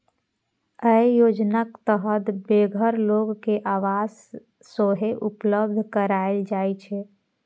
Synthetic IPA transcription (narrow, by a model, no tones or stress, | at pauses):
əijod͡ʒnakt̪əɦət̪beɡʱəɾloɡkeʔaʋaz | soɦeʔupləbd̪ʱkəɾaeld͡ʒajt͡ʃʰɛ